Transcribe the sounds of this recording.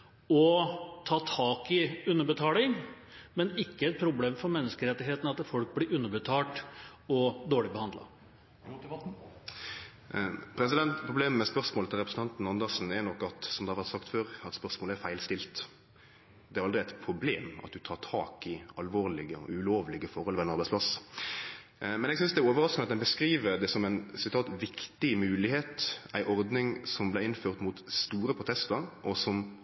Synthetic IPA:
ɔt̪ʰɑːt̪ʰɑːkɪʉnːəɾbət̪ʰɑːlɪŋmɛnɪkːəɛt̪̚pʰɾʊbleːmfɔɾmɛnːəskəɾɛt̪ːɪɦeːt̪n̩ɑt̪ːfɔlk̚blɪɾʉnːəbət̪ʰɑːʈɔd̪oːɭɪbəhɑnd̪lɑ̰ | pʰɾɛsɪd̪ɛnt̪pʰɾʊbleːmmɛspœʁsmoːlət̪ʰɪlɾɛpɾəsn̩ʰɑnt̪n̩ɑnd̪əʁsn̩ɛɾnɔkːɑt̪sɔmd̪ɛhɑʋæɾt̪sɑkt̪føːɾɑt̪spœʁsmoːlæɾfæɪlst̪ɪlt̪ | d̪ɛæɾɑld̪ɾɪæɪt̪pʰɾʊbleːmɑ̰t̪̚d̪ʉt̪ʰɑːʁʈʰɑ̰ːkɪɑlʋoːʁlɪɡə̰ʉloːʋlɪɡəfɔʁhɔlʋɛænɑɾbæɪspʰlɑs | mɛnɛɡsʏnsd̪ɛæɾoːʋəɾɑskənɑt̪d̪ɛnbəskɾiːʋəɾd̪ɛsɔmæɪnsɪt̪ʰɑːt̪ʋɪkt̪ɪmʉːlɪheːt̪æɪʔɔɾd̪nɪŋsɔmblæɪɪnføːʁt̪mut̪st̪uːɾəpʰɾʊt̪ʰɛst̪əɾʔɔsɔm

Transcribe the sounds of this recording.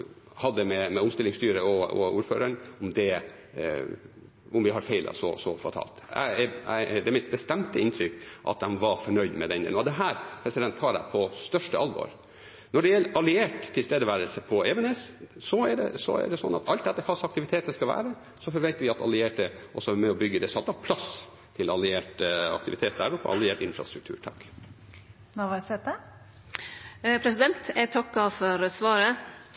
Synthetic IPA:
hɑd̪ːəmɛmɛʊmst̪ɪlːɪŋst̪yːɾəɔɔ̰uːɾfø̰ːɾəɳɔmd̪ɛ | ɔmʋɪɦɑɾfeɪlʔɑ̰sɔ̰sɔ̰fɑt̪ʰɑ̰ːlt̪æ̰ɪɛæ̰ɪd̪ɛæɾmɪt̪̚bəst̪ɛmt̪əɪnt̪ʰɾʏkːʔɑ̰t̪̚d̪ɛnʋɑɾfɔɳœʏd̪mɛd̪ɛnɛ̰nɔd̪ɛɦæːɾpʰɾɛsɪd̪ɛnt̪hɑːɖæ̰ɪpʰɔst̪œʂʈəɑlʋɔ̰ɾ | nɔɖɛjɛlːəʔɑlɪeːʈt̪ʰːɪlst̪eːd̪əʋæːɾəlsəpʰɔɛʋɛnɛssɔɛɖɛ̰sɔ̰æ̰ɖɛsɔnːɑ̰t̪ʰɑlt̪̚d̪ɛt̪ːəfʰɑsɑk̚t̪ɪʋɪt̪ʰeːt̪əskɑlʋæ̰ːɾə | sɔfɔɾʋɛnt̪əɾʋɪɑt̪ɑ̰lɪeːʈəʔɔsɔmɛɔbʏɡːəd̪ɛsɑt̪ːɑʋpʰlɑs | t̪ʰɪlɑ̰lɪeːʈɑ̰kt̪ɪʋɪt̪ʰeːt̪̚d̪æɾʊpə̰ʔɑ̰lɪeːʈɪnfɾɑ̰st̪ɾʉkt̪ʰʉ̰ːɾʈʰɑkː | noʋɑsɛt̪ə | pʰɾɛsɪd̪ɛnt̪ɛt̪ʰɑkːɑfɔɾsʋɑːɾə

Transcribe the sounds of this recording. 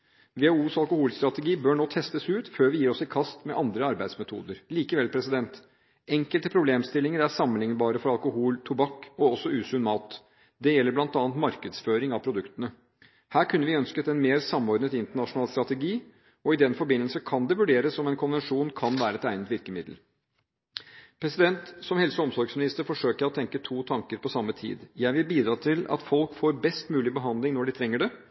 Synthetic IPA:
ʋɛuːsɑlkʊhuːlst̪ɾɑt̪əɡiːbøːɳoːt̪ʰɛst̪əsʉːt̪føːɾʋɪjiːɾɔsɪkʰɑst̪mɛʔɑnd̪ɾəɑɾbæɪd̪smɛt̪ʰṵːd̪əɾliːkəʋɛlpʰɾɛsɪd̪ɛnt̪ | ɛŋkəlt̪əpʰɾʊbleːmst̪ɪlːɪŋəɾæsɑmːənlɪŋnbɑːɾəfɔɾɑlkʊhuːlt̪ʰubɑkːɔɔsːɔʉːsʉnmɑːt̪ | d̪ɛjɛlːəɾblɑnt̪ɑːnt̪mɑɾkəd̪sføːɾɪŋɑʋpʰɾʊd̪ʉkt̪ənə | hæːɾkʰʉnːəʋɪœnskət̪ɛnmeːɾsɑmːɔɾd̪nət̪ɪnt̪əɳɑʂʊnɑːlst̪ɾɑt̪əɡiː | ɔɪd̪ɛnfɔɾbɪnːəlsəkʰɑnd̪ɛʋʉɖeːɾəsɔmɛnkʰʊnʋɛnʂuːnkʰɑnʋæːɾəɛt̪æɪnət̪ʋɪɾkəmɪd̪l̩ | pʰɾɛsɪd̪ɛnt̪sɔmhɛlsəɔmsɔɾɡsmɪnɪst̪əɾfɔʂøːkɔt̪ʰɛŋkət̪ʰuːt̪ʰɑŋkəɾpʰɔsɑmːət̪ʰḭːd̪jæɪʋɪlbiːd̪ɾɑːt̪ʰɪlɑ̰t̪fɔlkfoːɾbɛst̪mʉːlɪbəɦɑnd̪lɪŋnɔɖɪt̪ʰɾɛŋːəɖɛ

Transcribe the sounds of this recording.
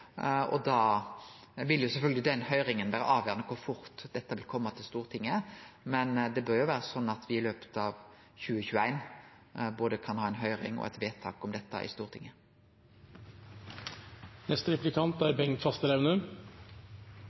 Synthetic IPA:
ɔ̰d̪ɑː | ʋɪlːjʊsɛfœlɡ̪əlɪd̪ɛnhœʏɾɪŋənʋæːɾəʔɑːʋjøːʁnəkʰʊʁfʊɾt̪d̪ɛt̪ːəʋɪlkʰɔmːət̪ʰɪlst̪uːʁt̪ʰɪŋːəmɛnd̪ɛbœɾjʊʋæːʁəsɔnːɑt̪ʋɪɪløːpə̥t̪ɑʋ | çʉːəçʉːəæɪn | boːd̪əkʰɑnhɑːæɪnɦœʏʁɪ̰ŋɔ̰ʔɛ̰t̪ʋeːt̪ʰɑ̰ːkɔmd̪ɛt̪ːɑ̰ʔɪ̰st̪uːʁt̪ʰɪŋːə | nɛst̪ɾɛplɪkʰɑnt̪æɾbɛŋt̪fɑst̪əɾɛʋənʉ

